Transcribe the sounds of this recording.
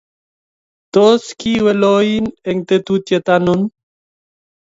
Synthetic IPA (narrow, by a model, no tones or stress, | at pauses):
t̪oskiweloineŋt̪et̪ut̪jet̪anon